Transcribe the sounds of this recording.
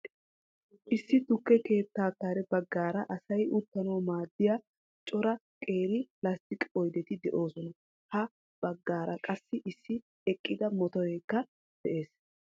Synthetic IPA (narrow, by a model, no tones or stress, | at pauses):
ʔɪsːɪt̪ʊkːɛke̞ːt̪ːaːkːaːɾɛbɐɡːaːɾɐʔɐsɐjʊt̪ːɐnoːmaːd̪ːɪja | t͡ʃʼɔɾɐ | kʼe̞ːɾɪlɐst̪ɪkʼɔjd̪ɛt̪ɪd̪ɛʔo̞ːsɔnɐ | hɐ | b̥ɐɡːaːɾʔɐkʼɐsːɪʔɪsːɪ | ɛkʼːɪd̪ɐmɔt̪ɔjeːkːɐ | d̪̥ɛʔe̞ːs